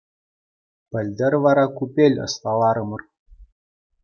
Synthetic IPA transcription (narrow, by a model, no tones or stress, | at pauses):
pɘ̆lʲd̪ɘ̆ɾvɑɾɑkupʲelʲɤ̰̆st̪ɑlˠɑɾɤ̆mɤ̆r